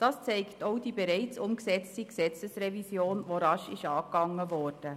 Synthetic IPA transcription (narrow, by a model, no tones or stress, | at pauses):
d̥ɑːst͡sɛɪktoʊd̥iːbeɾɛɪt͡sʊmksɛt͡stiksɛt͡səsrɛvisjoːnvoɾɑʃɪʃɑːkɑŋːəvɔːɾd̥ə